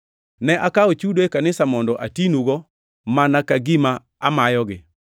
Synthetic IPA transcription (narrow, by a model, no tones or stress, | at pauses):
nɛʔakaot͡ʃudoekanɪsamɔndɔʔatinuɡɔ | manakaɡima | amajɔɡɪ